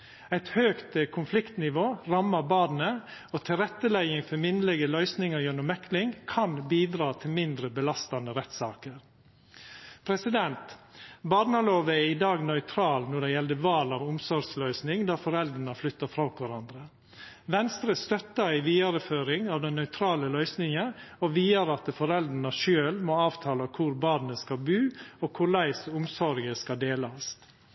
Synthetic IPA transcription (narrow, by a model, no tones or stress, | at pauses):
æɪt̪høːkt̪əkʰʊnflɪkt̪nɪʋoːɾɑmːɑbɑːd̪n̩əoːt̪ʰɪlɾɛt̪ːəlɛɡɪŋfɔɾmɪnəlɛɡəlœʏsnɪŋəɾjønʊmɛklɪŋkʰɑnbiːd̪ɾɑːt̪ʰɪlmɪnd̪ɾəbəlɑst̪ɑnəɾɛt̪sɑːkəɾ | pʰɾɛsɪd̪ɛnt̪bɑːɖnɑloːʋəæɪd̪ɑːɡnœʏt̪ʰɾɑːlnɔɖɛjɛld̪əʋɑːlɑʋʊmsɔɾɡslœʏsnɪŋd̪ɑːfɔɾɛld̪ɾəɳəflʏt̪ːəfɾɑkʋɑɾɑnd̪ɾə | ʋɛnst̪ɾəst̪œt̪ːɑɾɪʋiːɑɾəføːɾɪŋɑːʋd̪ɛnːœʏt̪ʰɾɑːləlœʏsnɪŋəɔʋiːəɾɑt̪fɔɾɛld̪əɳəʃøːlmoɑːʋt̪ʰɑːlɑkʰʊɾbɑːd̪nəskɑlbʉːɔkʰʊlæɪsʊmsɔɾɡəskɑd̪eːlɑst̪